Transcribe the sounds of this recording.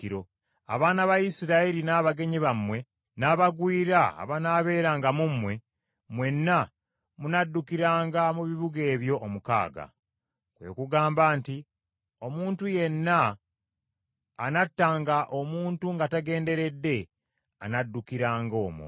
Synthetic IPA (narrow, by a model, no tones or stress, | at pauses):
iɾo̞ | a̰βaːnaβajisiɾaiɾinaːβaɡe̞ɲiβamwe̞ | naːβaɡwiːɾa̰ːβanaːβe̞ːɾaːŋɡamumwe̞ | mwe̞nːa | munadːukiɾaːŋɡamuβiβuɡe̞ːβjo̞ːmuka̰ːɡa̰ | kwḛkuɡaːmbaːnti | o̞muːntuje̞nːa | natːaːŋɡaʔo̞muːntuŋɡataɡe̞ːnde̞ɾe̞dːe̞ | a̰nadːukiɾaːŋɡo̞ːmṵ